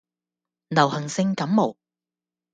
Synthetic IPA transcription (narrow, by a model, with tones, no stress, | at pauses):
nɐ˨˩whɐ˨˩ŋsɪ˧ŋkɐ˨˥mːo˨˩w